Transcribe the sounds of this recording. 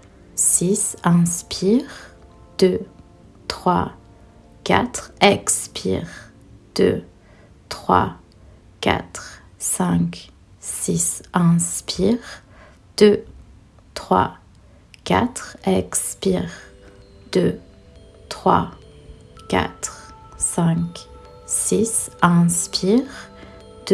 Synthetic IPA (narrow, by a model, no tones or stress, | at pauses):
sisɛ̃spʰiʁ | d̪̥ø | t̪χwa | ka̰t̪χɛkspʰḭʁ | d̪̥ø̰ | t̪χwa̰ | ka̰t̪χ | sɛ̃k | sisɛ̃spʰiʁ | d̪̥ø | t̪χwa̰ | ka̰t̪χɛkspiʁd̪̥ø | t̪χwa̰ | ka̰t̪χ | sɛ̃k | sisɛ̃spʰiʁ | d̪̥